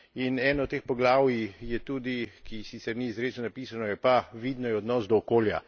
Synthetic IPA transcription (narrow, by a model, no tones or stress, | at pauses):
inɛːnɔɔt̪ːeːxpɔɡlaːwjijɛt̪uːd̪ikisisɛmniːzɾesnɔnapiːsanɔjɛpaʋid̪nɔjɛɔd̪nɔsd̪ɔːkoːlja̰